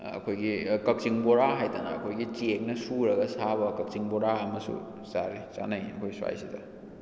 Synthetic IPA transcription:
ɐ̰kʰojɡikɐk̚siŋboɾaɦajtanɐːkʰojɡit͡ʃek̚nɐsuɾɐɡɐsaβɐkɐk̚t͡ʃiŋboɾaɐmɐsṵ | saɾisa̰nɐjɐ̰kʰojswa̰jsidɐ

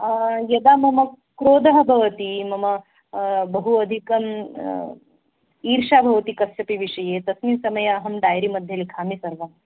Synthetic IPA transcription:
jɐd̪amɐmɐ | kɾoːd̪ɐɦɐbʱɐʋɐt̪imɐmɐ | bəɦuɐd̪ʱikɐm | iːɾʂabʱɐʋɐt̪ikɐsʈɐpiʋiʂɐjet̪ɐsmisɐmɐjɐɐɦɐmɖajɾimɐd̪ʱjelkʰaːmisɐɾʋɐm

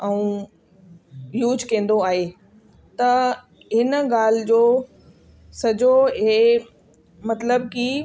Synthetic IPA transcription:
ɛũː | juːd͡ʑkɐ̃ːn̆d̪oaːɦeː | t̪ɐ | ɦɪnɡaːl̤ɪd͡ʑoː | sɐd͡ʑoe | mɐt̪ləbki

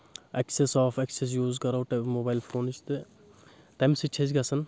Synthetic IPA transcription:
ɐksesɔːfɐkses̬juːzkɐɾɐwʈɐmoːbaːjlfʰoːnt͡ʃʰt̪ɨ | t̪ɐmsit͡ʃʰezɡɐsɐn

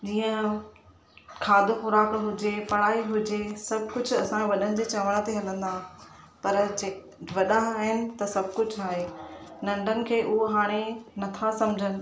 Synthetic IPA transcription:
d͡ʑiːə̃ | kʰaːd̪ʱoxʊɾaːkɦʊd͡ʑepɐɽ̃aːiɦʊd͡ʑesɐbʱkʊd͡ʑʱʊɐsãʋɐɗənɪ̆d͡ʑeːt͡ɕaːʋəɽ̃t̪eɦɐlə̃nd̪a | pɐɾd͡ʑe | ʋɐɗãaːɦɪnɪ̆t̪ɐsɐbʱkʊd͡ʑʱaːɦenɐ̃ɳɖʱənɪ̆kʰeːʔʊɦoɦaːɽ̃enɐt̪ʰasɐmd͡ʑʱənɪ̆

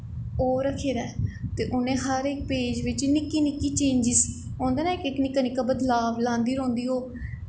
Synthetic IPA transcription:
oːɾəkʰeːd̪aːt̪eːʔʊnẽːɦəɾɪk̚peːd͡ʒʋɪt͡ʃnɪkːiːnɪkːiːt͡ʃẽːɲd͡ʒiːsi̥ːõːnd̪eːnaːɪkɪknɪkːaːnɪkːaːbəd̪laːʋlãːnd̪iːɾõːnd̪iːɦoː

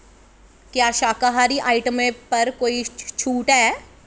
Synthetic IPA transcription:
kjaːʃaːkaɦaːɾiʔaːɪʈəmẽpɐɾkoːit͡ʃʰuːʈɦɛː

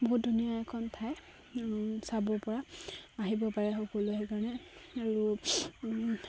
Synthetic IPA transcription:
boɦut̚dʱunijaɛkʰɔntʰaj | sabɔɹpɔɹaaɦibɔpaɹɛxɔkɔloɦɛkaɹɔnɛaɹu

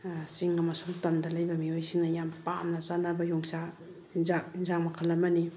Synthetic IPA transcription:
siŋɡamasuŋtamdalajbɐmiojsiŋnajampamnazanabɐjɔŋsa | izainzaŋmakʰalamani

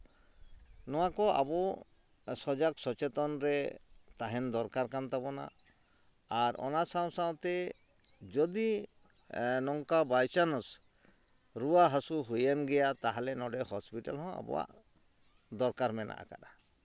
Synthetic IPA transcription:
nɔwakɔʔa̰bɔ | sɔd͡ʒaksɔt͡ʃɛt̪ɔnɾɛt̪aɦɛnd̪ɔɾkaɾkant̪abɔna̰ː | ɾʔɔ̰nasaw̃saw̃t̪ɛ | d͡ʒɔd̪i | nɔŋkabajt͡ʃanɔs | ɾuwaɦasuɦujanɡɛjat̪aɦalɛnɔɖɛhɔspiʈalɦɔ̃a̰bɔ̰wa̰ʔ | d̪ɔɾkaɾmɛnʔa̰ʔa̰ka̰ɗa

